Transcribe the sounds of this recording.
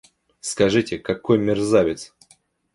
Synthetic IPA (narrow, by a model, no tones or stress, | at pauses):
skɐʐɨtʲɪkɐkojmʲɪrzavʲɪt̪s